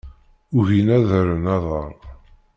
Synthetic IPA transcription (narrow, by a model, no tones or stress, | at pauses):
ʊɣinæðəɾənɑðˤəɾˤ